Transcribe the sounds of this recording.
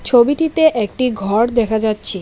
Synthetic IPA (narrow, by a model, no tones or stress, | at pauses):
t͡ɕʰobiʈit̪eʔɛk̚ʈiɡʱɔɾd̪ɛkʰad͡ʑatːɕʰi